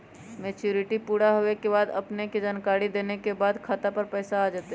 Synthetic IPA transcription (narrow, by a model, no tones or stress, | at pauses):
meːt͡ʃjuːɾɪʈipuːɽaɦoekebaːd̪ɐ̰pneked͡ʒaːnkaːɾid̪eːnekebaːd̪kʰaːt̪apɐɾpɛːsaaːd͡ʒaːt̪e